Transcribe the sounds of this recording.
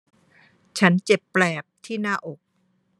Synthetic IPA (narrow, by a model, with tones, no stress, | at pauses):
t͡ɕʰa˦˥nt͡ɕe˨˩pːlɛː˨˩p̚t̪ʰiː˥˩naː˥˩ʔo˨˩k̚